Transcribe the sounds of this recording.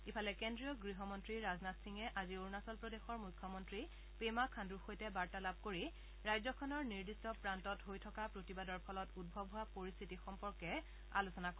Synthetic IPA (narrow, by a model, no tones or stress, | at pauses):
ipʰalɛkendɹijɔɡɹiɦɔmɔntɹiɹaznatsiŋɛʔazioɹnasɔlpɹɔdexɔɹmujkʰːɔmɔntɹi | pemakʰanduɹxojtɛbaɹtalab̚ʱkoɹi | ɹajzɔkʰɔnɔɹniɹdistɔpɹantɔtɦojtʰɔkapɹotibadɔɹpʰɔlɔtud̚bʱɔbʱɦʊapoɹist̪ʰitixɔmpɔɹkɛ | a̰lusɔnakɔ